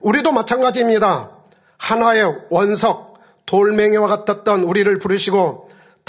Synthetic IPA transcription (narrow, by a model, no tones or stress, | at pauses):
uɾidomat͡ɕʰanɡad͡ʑiːmɲida | hanae̞wʌnsʰʌk̚ | toɭme̞ŋiwaɡatʰat̚t͈ʌnuɾiɾɯɭpuɾɯɕʰiɡo | t